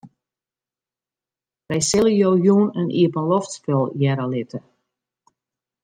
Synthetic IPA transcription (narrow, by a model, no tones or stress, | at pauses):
ʋɛjsɪlˠəjowɦjuːnənʔḭəpənlɔftspølˠjɛɾəlɪtʰə